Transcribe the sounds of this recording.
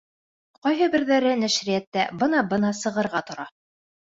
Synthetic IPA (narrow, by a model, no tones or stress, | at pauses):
qɑjɦɤbɘ̆ɾðæɾɘnæʃɾijæt̪ːæbɤnɑbɤnɑsɤ̆ʁɤ̆ɾʁɑt̪ŏɾɑ